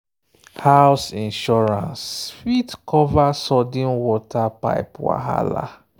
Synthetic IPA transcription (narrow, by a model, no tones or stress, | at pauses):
hawsĩnʃɔɹãnsfitkɔvasɔdĩnwɔtapa̰ɪpwa̰ɦa̰la̰